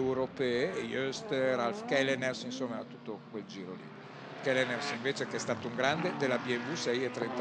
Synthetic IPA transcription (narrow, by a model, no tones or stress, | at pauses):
wɾopɛːeːjøst̪ɾalfkɛlenersinsomːaɛat̪ut̪ːokweld͡ʒiːɾolḭ | kɛlenersiɱveːt͡ʃekeɛst̪aːt̪ouŋɡɾand̪ed̪elːabiɛmvusɛjet̪ːɾent̪